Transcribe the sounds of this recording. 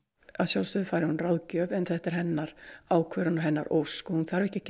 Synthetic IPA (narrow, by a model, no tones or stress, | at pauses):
aðsjawlsʏðʏfaːjɾɪhunrawðcœvɛnθɛht̪ɛɾ̥hɛnːaɾ̥aːwkʰvœːɾanɔɦɛnːa̰ɾʔowskɔhunθaɾvɛhcɪhc